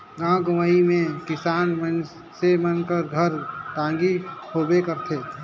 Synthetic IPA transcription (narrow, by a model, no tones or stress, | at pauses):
ɡãːɡʊmaimẽkɪsaːnmən | semənkəɾɡʱəɾʈ̪ãːŋɡihoːbekəɾt̪ʰeː